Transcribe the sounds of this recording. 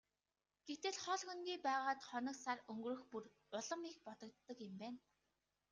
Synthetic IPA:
ɡ̥ext̪ɘ̆ɮχɔɮxɵnɡʲiːpæːʁaːt̪χɔnɞ̆ksarɵŋɡrɵ̆xpur | ʊɮɞ̆mik̚pɔt̪ɞ̆kt̪ːə̆kɪ̆mpæːn

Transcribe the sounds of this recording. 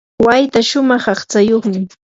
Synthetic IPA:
wajt̪aʃʊmɑχɑχt͡sajoχmɪ

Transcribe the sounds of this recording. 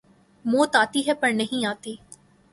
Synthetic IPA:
moːt̪aːt̪iːɦɛpɐɾnəɦĩːaːt̪iː

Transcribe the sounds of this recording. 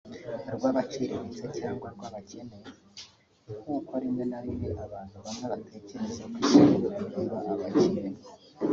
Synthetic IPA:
ɾɡwaːβaciɾeɾizecaːŋɡwaɾɡwaːβacʰe̞ne | kuːkaɾinenaɾindiʔaβaːn̥huβaŋaβatʰe̞ce̞ɾe̞zekwiʃaɾiɾoʔuɾiβaʔːβaɟinee

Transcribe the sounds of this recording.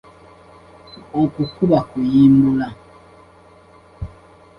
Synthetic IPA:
ɔkukubakujimbula

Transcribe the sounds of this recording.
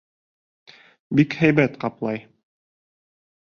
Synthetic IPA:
bikhæjbæt̪qɑplˠɑj

